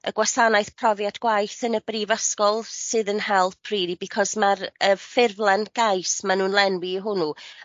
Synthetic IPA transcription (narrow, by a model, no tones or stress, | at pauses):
əɡwasanajθpʰrɔvjadɡ̥wajθənəbrivəskɔlˠsɨðənhɛlˠpʰriːdibikʰɔsmarəfɪrvlˠɛnɡ̥ajsmanuːnlˠɛnwiɦʊnu